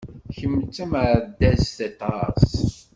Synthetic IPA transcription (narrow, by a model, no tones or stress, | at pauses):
çəmːt͡sːəməɾd̪æzθɑt̪ɑs